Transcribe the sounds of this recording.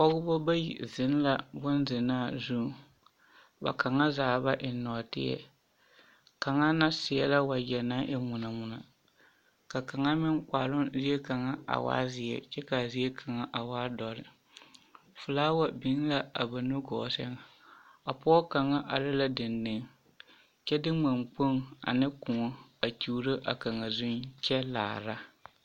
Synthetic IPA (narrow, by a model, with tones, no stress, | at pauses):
kɔ˦ɡʊ˦bɔ˦ba˦jḭ˨zɪ˨˦n˦la˦bʊ˦nzɪ˨naː˦˨zu˦˨ | ba̰˨ka˨ŋa˦zaː˨ba˦ʔɪ˨nɔː˨tɪ̰˦jɛ̰˦ | ka˨ŋa˦na˦sɪ˨jɛ˦la˦wa˨jɛ˨na˦ʔɛ˦mʊ˨na˨mʊ˨na̰˨ | ka˨ka˨ŋa˦mɪ˦ŋkʷaː˨lʊ˦zi˦ɛ˦ka˨ŋa˦a̰˨wa̰ː˦zɪ˨jɛ̰˨t͡ʃɛ˦ka˨zi˦e˦kʰa˨ŋa˦ʔa˨waː˦dɔ˨ɾɪ˨ | fʊ˨laː˦wa˦bi˨˦ŋ˦la˦a̰˨ba˨no˦ɡɔ̰˨sɛ˦ŋ˨ | a˨pɔ˦ɔ˦ka˨ŋa˦ʔa˨lɪ˦la˦dɨ˨nːɨ˨ŋ | t͡ʃɛ˦dɪ˦ma˨mk͡po˦ŋa̰˨nɨ˦ku˨ŋo˦a˨t͡ʃu˨˦ɾɨ˦ʔa̰˨ka˨ŋa˨zu˦nt͡ʃɛ˦la̰ː˨ɾa˦